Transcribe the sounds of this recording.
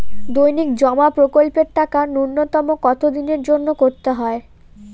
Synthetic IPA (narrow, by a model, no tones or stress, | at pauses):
d̪ojnikd͡ʑɔmapɾokolpeɾʈakanunːot̪ɔmokɔt̪ʰod̪ineɾd͡ʑonːokoɾt̪eɦɔe